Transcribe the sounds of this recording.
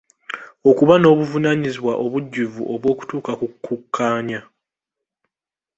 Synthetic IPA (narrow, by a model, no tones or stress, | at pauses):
o̞kuβano̞ːβuvunaɲiziβwaʔo̞βuɟːuvṵʔo̞βwo̞ːku̥tuːkakukʰːukʰːaːɲa